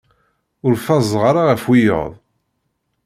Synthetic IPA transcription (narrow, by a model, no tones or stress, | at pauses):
ʊɾfɑzˤʁaɾˤaʁəfwijə̰ðˤ